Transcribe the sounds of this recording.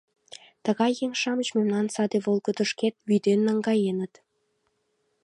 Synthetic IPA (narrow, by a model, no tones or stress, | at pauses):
t̪ə̆ɣɑjːeŋʃɑmət͡ɕmemnɑnsɑd̪eβolˠɣəd̪ə̆ʃket̪̚βyd̪enːɑŋɡɑjenət̪